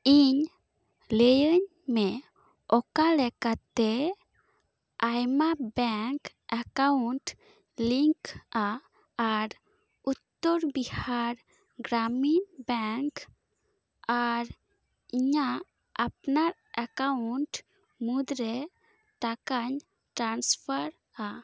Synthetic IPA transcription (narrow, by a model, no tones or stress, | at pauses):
iɲ | ləjəɲ | mɛ | ɔkalɛkat̪ɛ | ajmabɛŋk | akauɳʈ | liŋkaː | ɾ | ut̪ːɔɾbihaɾ | ɡɾaminbɛŋk | aɾ | iɲa | apnaɾ | akauɳʈ | mud̪ɾɛ | t̪akaɲ | ʈɾanspʰaɾ | a